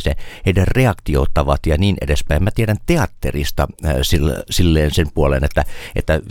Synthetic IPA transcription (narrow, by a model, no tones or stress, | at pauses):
seheiderreɑkt̪io̰ːt̪ːɑʋɑt̪jɑniːnʔḛdespæˑimæt̪ieɾænt̪eɑt̪ːḛrist̪ɑ̰silsilːeːnsempuolḛnet̪ːæʔḛt̪ːæ